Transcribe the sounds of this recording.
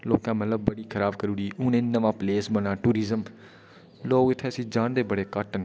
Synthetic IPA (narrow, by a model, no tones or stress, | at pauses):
loːkãːmət̪ləb̚ːəɽiːkʰəɾaːbkəɾuːɾiːʊːnẽːnəʋãːpleːsmənãːʈuːɾɪzəm | loːɡɪt̪ʰːeːəsĩːd͡ʒaːɳd̪eːbəɽeːkəʈən